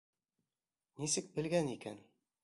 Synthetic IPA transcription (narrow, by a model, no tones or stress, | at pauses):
nisɘk̚bɘ̆lɡænikæ̰n